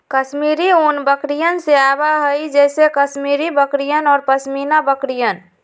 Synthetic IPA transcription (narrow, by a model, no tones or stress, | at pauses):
kəsmiːɾiuːnbəkɾijənseaːbaɦəid͡ʒɛːsekəsmiːɾibəkɾijənɔːɾpəsmiːnabəkɾijən